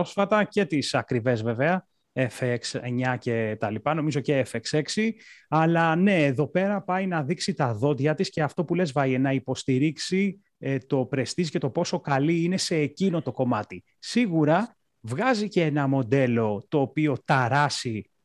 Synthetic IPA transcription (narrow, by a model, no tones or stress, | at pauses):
osfɐt̪ɐce̞t̪isɐkɾive̞zve̞veɐ | efekseɲɐce̞t̪ɐlipɐno̞mizo̞ceefekse̞ksiɐlɐne̞ːðo̞pe̞ɾɐpɐjnɐðiksit̪ɐðo̞td̪ʝɐt̪isce̞ɐft̪o̞pule̞zvɐjenɐipo̞st̪iɾiksi | t̪o̞pɾe̞st̪izice̞t̪o̞po̞so̞kɐliine̞se̞ːcino̞t̪o̞ko̞mɐt̪i | siɣuɾɐ | vɣɐziceenɐmo̞d̪e̞lo̞t̪o̞ːpio̞t̪ɐɾɐsi